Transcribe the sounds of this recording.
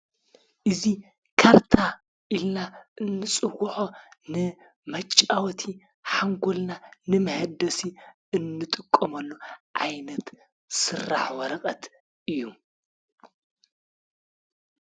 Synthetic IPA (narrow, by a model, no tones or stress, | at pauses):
ʔɨzi | kʰaɾt̪ʰa | ʔilnaʔɨnːɨt͡sʼɨwħonɨ | mɐt͡ʃʼːawɔt̪ʰi | ħaŋɡolnanɨmɐhɐd̪ɐsi | ɨnːɨt̪ʼɨkʼːɐmɐlːuʕa̰jnɐt̪ | sɨrːa̰ħwɐɾɐqʼɐt̪ | ʔɨjːu